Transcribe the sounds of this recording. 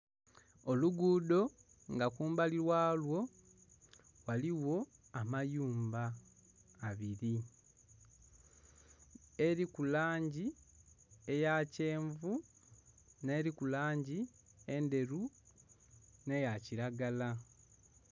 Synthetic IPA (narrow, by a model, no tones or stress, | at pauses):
o̞luɡuːdo̞ | ŋɡakuːmbaliɾwaːlwo̞ | waliwo̞amajuːmbaː | βiɾi | e̞ɾikulaːɲɟi | e̞jace̞ːɱvu | ne̞ːɾikulaːɲɟi | e̞nde̞ɾu | ne̞jaciɾaɡala